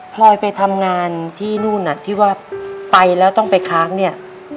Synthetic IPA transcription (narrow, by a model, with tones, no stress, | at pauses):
pʰlɔː˧jpa˧jt̪ʰa˧mŋaː˧nt̪ʰiː˥˩nuː˥˩na˨˩t̪ʰiː˥˩waː˥˩pa˧jlɛː˦˥wt̪ɔ˥˩ŋpa˧jkʰaː˦˥k̚ni˥˩ɐ